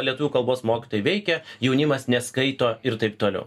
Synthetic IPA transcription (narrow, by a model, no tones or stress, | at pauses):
lʲiɛt̪uʋʲuːkɐlˠboːsmoːkʲɪ̥t̪oːjɪʋʲɛɪkʲɛjɛʊnʲɪmɐsnʲɛskɐɪt̪oːɪɾt̪ɐɪp̚t̪oːlʲɛ̰ʊ